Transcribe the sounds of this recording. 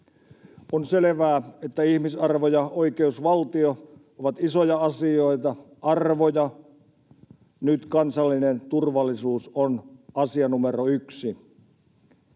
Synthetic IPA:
onseleʋæːet̪ːæihmisɑrʋojɑoikeusʋɑlt̪io | oʋɑt̪isojɑɑsioit̪ɑ | ɑrʋojɑ | nyt̪kɑnsɑlːinent̪urʋɑlːisuːsonɑsiɑnumeroyksi

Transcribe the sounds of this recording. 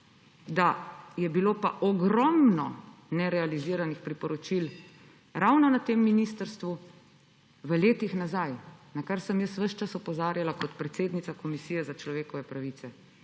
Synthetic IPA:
d̪ajɛbiloːpaʔɔɡɾɔmnɔnɛɾɛaliziːɾanixpɾipɔɾɔt͡ʃil | ɾawnɔnat̪eːmːinist̪əɾst̪ʋu | ʋəleːt̪ixnazajnakaɾsəmjəsʋəʃt͡ʃasɔpɔzaːɾjalakɔt̪pɾɛt̪seːd̪nit̪sakɔmisijɛzat͡ʃlɔʋeːkɔʋɛpɾaʋit̪sɛ

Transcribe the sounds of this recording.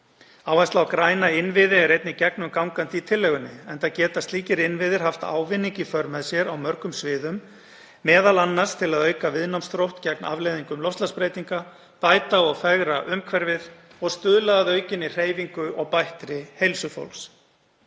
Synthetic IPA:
aːwvast̪awkɾaːjnaɪnvɪðɪɛɾejt̪nɪcɛknʏmkawŋkant̪ɪit̪ʰɪlːɛɣʏnːɪɛnt̪aðcɛːt̪ast̪liːcɪɾɪnvɪðɪɾ̥ɦaft̪a̰ːwvɪnːiɲcifœɾmɛðsjɛɾawmœɾkʏmsvɪːðʏmː | ɛːðalanːḁst̪ʰɪlaðœːɥkavɪðnawmst̪ɾowht̪cɛkna̰vleːjðiŋkʏmlɔst̪laspɾejt̪iŋka | paːjt̪aɔɣfɛɣɾaʔʏmkʰvɛɾvɪð | ɔɣst̪ʏðlaːðœːɥcɪnːɪr̥eːjviŋkʏɔɣpajht̪ɾɪhejlsʏfo̰wlks

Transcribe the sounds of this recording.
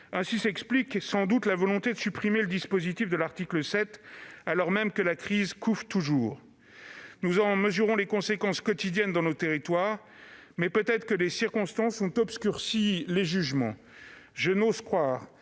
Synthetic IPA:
ɛ̃sisɛkspliksɑ̃d̪ut̪lavɔlɔ̃t̪ed̪əsypχimeləd̪ispozit̪ifd̪əlaʁt̪ikləsɛt̪alɔʁmɛmkəlakχizkʰufʁt̪uʒuːʁ | nuzɑ̃məzyʁɔ̃lekɔ̃sekɑ̃skɔt̪id̪jɛnd̪ɑ̃not̪eʁit̪waːʁ | mɛpøt̪ɛt̪χə̥kəlesiʁkɔ̃st̪ɑ̃sɔ̃t̪ɔpskʲyʁsileʒyʒmɑ̰̃ | ʒənozkχwaːʁ

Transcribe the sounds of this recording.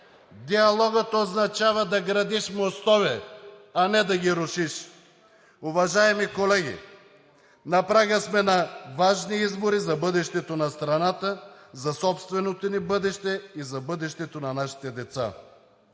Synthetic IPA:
d̪iɐlˠɔɡət̪oznɐt͡ʃavɐd̪ɐɡɾɐd̪iʃmost̪ɔvɛanɛd̪ɐɡʲiɾʊʃiʃ | ʊvɐʒaɛmikolɛɡʲḭ | nɐpɾaɡʲəsmɛnɐvaʒniizboɾizɐbɤd̪ɛʃt̪ɛt̪onɐst̪ɾɐnat̪əzɐsɔpst̪vɛnot̪onibɤd̪ɛʃt̪ɛizɐbɤd̪ɛʃt̪ɛt̪onɐnaʃi̥t̪ɛd̪ɛt̪sa̰

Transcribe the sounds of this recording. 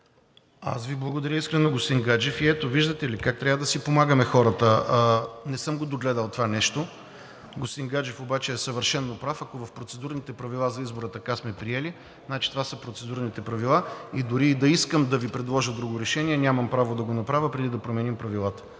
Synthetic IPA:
a̰sviblˠɐɡod̪ɐɾʲjəiskɾɛnoɡost̪iŋɡad͡ʒɛfiɛt̪oviʒd̪ət̪ɛilikak̚t̪ɾʲavəd̪ɐsipomaɡəmɛxɔɾət̪ə | nɛsɤmɡod̪oɡlɛd̪əlˠt̪ovanɛʃt̪o | ɡost̪iŋɡad͡ʒɛfobat͡ʃɛːsəvəɾʃɛnːopɾafɐkovɐfpɾot̪sɛd̪uɾnit̪ɛpɾɐvilˠazɐizboɾət̪ɐkasmɛpɾiɛli | nat͡ʃi̥t̪ovasəpɾot̪sɛd̪uɾnit̪ɛpɾɐvilˠaid̪ʊɾiːd̪ɐiskəmd̪ɐvipɾɛd̪lˠɔʒəd̪ɾuɡoɾɛʃɛniɛnʲamɐmpɾavod̪ɐɡonɐpɾavʲəpɾɛd̪id̪ɐpɾomɛnimpɾɐvilˠat̪ə̥

